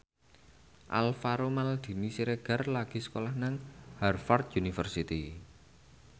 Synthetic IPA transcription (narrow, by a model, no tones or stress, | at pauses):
ʔa̰lfaɾomald̪̥i̤nisiɾeɡ̥a̤rlaɡ̥i̤sə̥kolahnaŋharfart̪̚junifərsit̪i